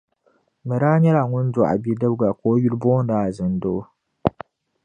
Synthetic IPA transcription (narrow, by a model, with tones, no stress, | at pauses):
mɨ˨ɾaː˦ɲɛ˦la˨ŋʊ˦n˦d͡ʒwa˨ʔa̰˨bi˦dɨ˦bɡa˨koː˦ju˦lboː˦n˦daː˨˦˨zɨ˨ndo˦